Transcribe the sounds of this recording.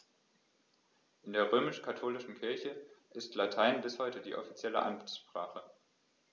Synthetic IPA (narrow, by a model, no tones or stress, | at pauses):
ʔɪndeːɐʁ̞øːmɪʃkʰatʰoːlɪʃn̩kʰɪɐçəʔɪstlatʰaɪnbɪshɔʏtədḭːʔɔ̰fit͡sjɛlə̰ʔa̰nʃpʁ̥aːχə